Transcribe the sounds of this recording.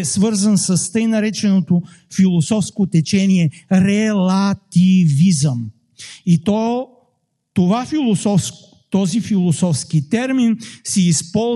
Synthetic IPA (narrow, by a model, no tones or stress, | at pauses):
ɛsvɤɾzənsəst̪əjnɐɾɛt͡ʃɛnot̪o | filˠosɔfskot̪ɛt͡ʃɛniɛɾɛlˠat̪ivizəm | it̪ɔ | t̪ovafilˠosɔfsk | t̪ɔzifilˠosɔfskit̪ɛɾminsiːspɔ